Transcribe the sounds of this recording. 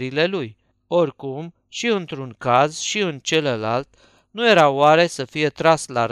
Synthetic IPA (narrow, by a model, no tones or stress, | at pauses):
ɾile̞luj | o̞rkum | ʃiɨnt̪ɾunkazʃiɨnt͡ʃe̞ləlalt̪ | nuje̞ɾawaɾe̞səfijet̪ɾaslaɾ